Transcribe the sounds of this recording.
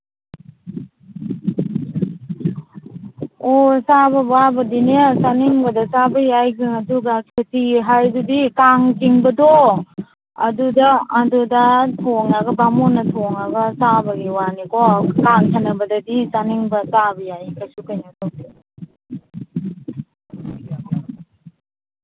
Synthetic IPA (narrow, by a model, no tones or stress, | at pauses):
osabɐbabɐdinesaniŋbɐdɐt͡ʃabɐjajɡɯŋɐduɡakʰetiɦajdudikaŋkiŋbɐdo | ɐ̰dudaːdudɐtʰoŋaɡɐbamonɐtʰoŋaɡɐsabɐɡiwanikɔkaŋtʰanɐbɐdɐdit͡ʃaniŋbɐt͡ʃabɐjajkasukajnakʰawdi